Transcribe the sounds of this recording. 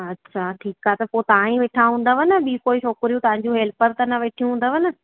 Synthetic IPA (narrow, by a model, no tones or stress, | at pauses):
ɐtːɕʰaʈʰiːkaːet̪ɐpoːt̪aãĩʋeːʈʰaɦũːnd̪əʋɐnəɓikoːɪʃoːkɾijũt̪ɐʋãɲ̆d͡ʑũɦeːlpəɾt̪ɐnɐʋeːʈʰijũɦũːnd̪əʋɐnə